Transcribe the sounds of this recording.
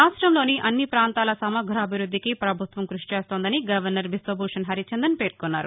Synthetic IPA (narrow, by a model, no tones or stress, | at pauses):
aːsʈɾɐmlo̞ːniʔɐnːipɾaːnt̪aːlɐsɐmɐɡʱɾaːbʱiɾud̪ːikipɾɐbʱut̪ʋɐmkɾuʃi̥t͡ʃe̞ːst̪o̞ːnd̪ɐniɡɐʋɐɾnɐɾʋisobʱuːʂɐnɦɐɾit͡ʃɐnd̪ɐnpe̞ːɾkunːaːɾu